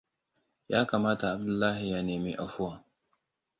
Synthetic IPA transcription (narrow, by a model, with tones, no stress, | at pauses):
jaː˦kaː˨maː˦ta˨a˨b̚dʊ˦˨lːaː˦ɦi˨ja˦neː˨mi˦ʔa˨ɸʊ˦wa˨